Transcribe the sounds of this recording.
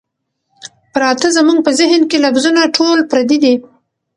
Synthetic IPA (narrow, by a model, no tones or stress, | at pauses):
pɾɑt̪əzəmuŋɡ̚pəzɪɦnkelafzunaʈʰolpɾad̪id̪i